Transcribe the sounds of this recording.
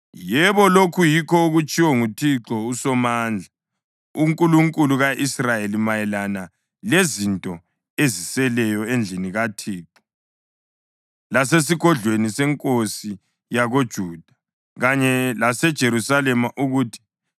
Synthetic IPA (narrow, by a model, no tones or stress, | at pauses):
jɛβɔlokʰujikʰɔuɣut͡ʃʼiwɔŋutʰiǁɔusɔmaːnd͡ɮʱa | uŋkʼuluŋkʼuluɣaʔisrajelimajɛlana | lezintʼɔ | ezisɛlɛjɔend͡ɮʱiniɣatʰiːǁɔ̥ | lases̬iɣɔɮwenisɛŋkʼosi | jaɣod̥ʒ̥ʱuːd̥ʱa | ɣaɲɛlasɛd̥ʒ̥ʱeɾusalɛmaʔuɣuːtʰi̥